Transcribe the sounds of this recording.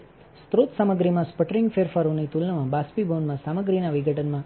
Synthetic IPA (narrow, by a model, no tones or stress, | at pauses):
st̪ɾot̪saməɡɾimãspəʈəɾɪŋɡfʰeɾfaɾunit̪ulnamãbaspibonmãsaməɡɾinaʋiɡəʈənmã